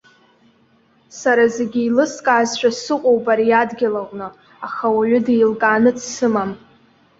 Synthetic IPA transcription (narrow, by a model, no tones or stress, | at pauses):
saɾazeɡʲiilɨskʼaːzʃʷᶣʼasɨqʷʼowbaɾijadɡʲalaqʷʼnɨ | aχawaɥʷʊdejlkʼaːnɨt͡sʰsɨmam